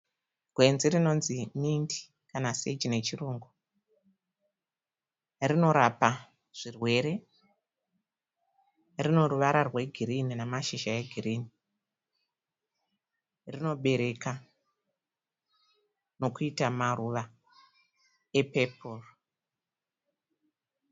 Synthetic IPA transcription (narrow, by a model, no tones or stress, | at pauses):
ɡ̥ʱwe̞nzirino̞nzimindi̥ | kanased͡ʒine̞t͡ʃiruːŋɡu | rino̞ɾapa | ʐ̥irwe̞ɾe̞ | rino̞ɾuʋaɾarwe̞ɡʱiɾininamaʃiʃaeɡʱiriːni | rino̞ɓe̞ɾe̞ka | no̞kuitamaruʋa | e̞pe̞poro